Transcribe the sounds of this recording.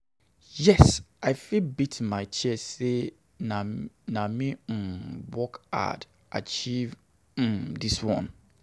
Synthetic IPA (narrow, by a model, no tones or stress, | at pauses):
jɛsaɪfibitʰmãɪt͡ʃʰɛsse | nãnãmĩm̩wɔka̰d̥ | ʔa̰t͡ʃiv̩ | diswɔ̰̃n